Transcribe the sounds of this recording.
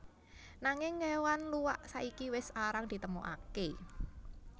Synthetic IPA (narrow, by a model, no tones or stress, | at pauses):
naŋɪŋːewanluwaʔsaʔikiwɪsaɾaŋd̥̪it̪əmo̰ʔa̰ke